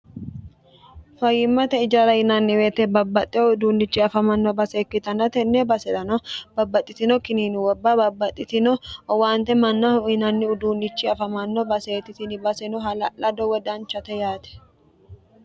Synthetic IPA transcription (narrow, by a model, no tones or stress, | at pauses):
fɐjɪmːɐt̪ɛɪd͡ʒɐɾɐjɪnɐnːɪwet̪ɛbɐbːɐt̪ʼːɪɔʊd̪uːnːɪt͡ʃːiɐfɐmɐnːɔbɐseːkːɪt̪ɐnɐt̪ɛnːebɐsɛᶑ̪ɐnɔbɐbːɐt̪ʼːɪt̪ɪnɔkɪniːnɪwɔbːɐbɐbːɐt̪ʼːɪt̪ɪnɔwaːnt̪ɛmɐnːɐhʊɪnɐnːɪʊd̪uːnːɪt͡ʃːiɐfɐmɐnːɔbɐse̞ːt̪ɪt̪ɪnɪbɐsɛnɔɦɐlʔɐd̪ɔwɔd̪ɐnt͡ʃːɐt̪ɛjaːt̪ɛ̥